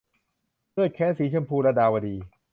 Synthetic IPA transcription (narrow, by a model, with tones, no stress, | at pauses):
lɯ˥˩t̪̚kʰɛː˦˥nsiː˨˦t͡ɕʰu˧əmpʰuː˧ɾa˧daː˧wa˧diː˧